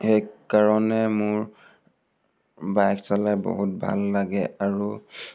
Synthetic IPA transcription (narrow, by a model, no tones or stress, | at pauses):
xɛjkaɹɔnɛmʊɹ | bajksalajbɔ̰ɦut̚bʱa̰lːaɡɛ̰aɹu